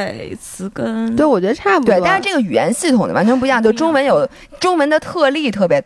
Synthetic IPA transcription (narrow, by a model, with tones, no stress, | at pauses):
e˥˧˩ɪt͡sʰɹ̩˧˥kə˥nt̪we˥˩ɪwɔ˨˩t͡ɕɥɛ˧˥d̪ə˧t̪ʰa˥˩pt̪we˥˧ɪ˥˧˥ʂ̩ɻ̩˥˧ʈ͡ʂɤ˥˩ɡə˩y˨˩jɛ̰˧˥nɕi˥˩t̪ʰʊ˨˩ŋd̪ə̰˩wa̰˧˥nt͡ɕʰɥp̬t͡ɕjo˥˩ʊʈ͡ʂʊ˥ŋwə˧˥njo˨˩ʊ | ʈ͡ʂʊ˥ŋwə˧˥nd̪ə˧t̪ʰɤ˥˧li˥˩t̪ʰɤ˥˩pjɛ˧˥